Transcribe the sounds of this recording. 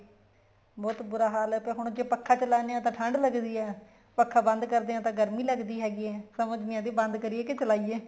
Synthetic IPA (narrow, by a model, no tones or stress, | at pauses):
bɔːt̪bʊɾaːɦaːlɛːʊpeːɦʊɳ̃d͡ʒeːpəkʰːaːt͡ʃəlaːneãːt̪ãːʈʰəɳɖləɡd̪iːɛː | pəkʰːaːbə̃nd̪kəɾd̪eːãːt̪ãːɡəɾmiːləɡd̪iːɦɛːɡiːɛːsəməd͡ʒnɪjãːd̪iːbənd̪kəɾieːkɪt͡ʃəlaːiːeː